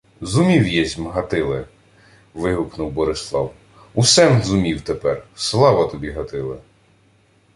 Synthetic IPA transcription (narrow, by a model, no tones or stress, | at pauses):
zʊmʲiwjɛzʲmɦɐt̪ɪlˠɛ | ʋɪɦʊknʊwbɔɾɪslˠɑw | usɛmzʊmʲiwt̪epɛrslˠɑʋɐt̪ɔbʲiɦɐt̪ɪlˠɛ